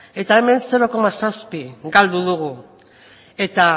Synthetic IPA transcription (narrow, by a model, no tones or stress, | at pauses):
e̞t̪ae̞me̞nse̞ɾo̞ko̞masaspiɡald̪uðuɣu | e̞t̪a